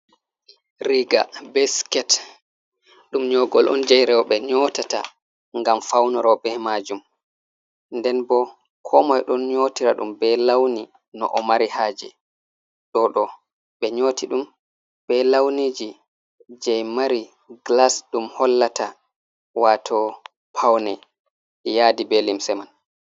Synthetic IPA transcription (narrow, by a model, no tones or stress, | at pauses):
ɾiɡa̰bɛskɛt | ɗumɲɔɡɔlʔɔ̰nd͡ʒajɾɛwɔɓɛɲɔːtata̰ | ŋɡamfawnɔɾɔbɛmad͡ʒum | ndɛnbɔ | kʰɔmɔjɗɔnɲoːtiɾaɗumbɛlawni | nɔ̰ʔɔmaɾihaːd͡ʒɛ̰ | ɗɔɗɔ | ɓɛɲoːtʰiɗum | b̥ɛlawnid͡ʒi | d͡ʒɛjmaɾi | ɡlasɗumhɔlːata | waːtʰɔ | pʰawnɛ | jaːdibelimsɛman